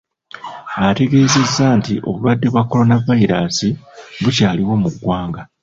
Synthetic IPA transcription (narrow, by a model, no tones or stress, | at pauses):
ate̞ɡe̞ːze̞zːaːntiʔo̞̰βuβadːe̞βwakːo̞lo̞navaiɾaːsiβucaːliwo̞muɡːwaːŋɡa